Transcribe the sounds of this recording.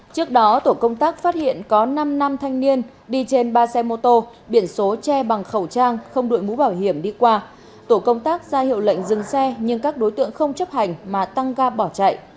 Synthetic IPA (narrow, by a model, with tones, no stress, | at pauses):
t͡ɕɨ˦˥ək̚ɗɔ˨˦t̪o˧˩kə˧wŋ͡mt̪aː˦˥k̚faː˦˥t̚hḭ˧˨ənkɔ˨˦na˧mna˧mt̪ʰa˧jŋ̟ni˧ən | ɗi˧t͡ɕe˧nɓaː˧sɛ˧mo˧t̪o˧ | ɓi˧˩ənso˨˦t͡ɕɛ˧ɓa˨˩ŋxə˧˩wt͡ɕaː˧ŋxə˧wŋ͡mɗo̰˧˨jmu˨˦ɓaː˧˩wɦi˧˩əmɗi˧kwaː˧ | t̪o˧˩kə˧wŋ͡mt̪aː˦˥k̚zaː˧hḭ˧˨əwlə̰˧˨jŋ̟zɨ˨˩ŋsɛ˧ɲɨ˧ŋkaː˦˥k̚ɗo˨˦jt̪ɨ̰˧˨əŋxə˧wŋ͡mt͡ɕə˦˥p̚ha˨˩jŋ̟maː˨˩t̪a˧ŋɣaː˧ɓɔ˧˩t͡ɕa̰˧˨jʔ